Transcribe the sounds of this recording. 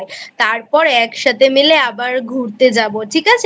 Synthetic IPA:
jt̪aɾpɔɾɛkʃat̪ʰemileabaɾɡʱuɾt̪ed͡ʑaboʈʰikat͡ɕʰe

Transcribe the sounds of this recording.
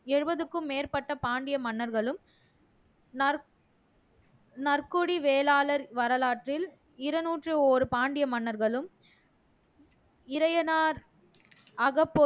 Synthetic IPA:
ɛɻɯbɐðɯkːɯmːeːɾpɐʈːɐpaːɳɖɪjɐmɐɳːɐɾɣɐɭɯm | n | nɐrkuɽiʋeːlaːlɐɾʋɐɾɐlaːʈrɪl | ɪɾɐnuːʈrɯoːɾɯpaːɳɖɪjɐmɐnːɐɾɣɐɭɯm | ɪɾɐjɐnaːɾ | ɐɣɐpːo

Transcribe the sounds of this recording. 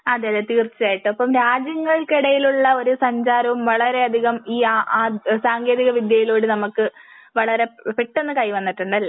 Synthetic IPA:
ɐðeðet̪iːrt͡ɕːɐaːjiʈːɨɐpːɐmɾaːd͡ʑjɐŋːɐɭkiɽɐjiluɭːɐo̞ɾusɐɲd͡ʑaːɾɐʋumʋɐɭɐɾe̞ɐd̪ʱiɣɐmiːaʔːsaːŋɡje̞ːðiɣɐʋid̪jɐjilo̞ːɽɨnɐmukːɨ | ʋɐɭɐɾe̞piʈːe̞nːɨkɐjʋɐnːiʈːuɳɖɐlːɐ

